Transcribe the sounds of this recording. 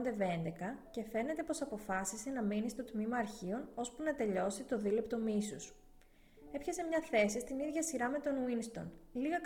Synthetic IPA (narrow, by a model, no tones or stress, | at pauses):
nd̪e̞ve̞nd̪e̞kɐce̞fe̞ne̞t̪e̞po̞sɐpo̞fɐsisenɐminist̪o̞t̪mimɐːɾçio̞no̞spunɐt̪e̞ʎo̞sit̪o̞ðilept̪o̞misus | e̞pçɐsemɲɐθe̞sist̪iniðʝɐsiɾɐme̞t̪o̞nwinst̪o̞̰nliɣɐk